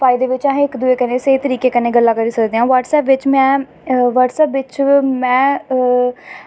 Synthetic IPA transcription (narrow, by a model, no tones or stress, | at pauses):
pʰaːid̪eːʋɪt͡ʃãɦɪkd̪ʊeːkəneːseit̪əɾiːkeːkənẽːɡəlːaːkəɾiːsəkd̪eːɦãːʋaːʈsɛːpʋɪt͡ʃmɛ̃ː | ʋəʈsɛːpʋɪt͡ʃmɛ̃ː